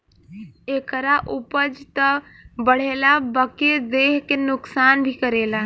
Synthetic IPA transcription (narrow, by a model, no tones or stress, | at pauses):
eːkəɾaʔʊpəd͡ʒt̪ə | bəɽ̤eːlabəked̪eːɦkenʊksaːnbʱikəɾeːla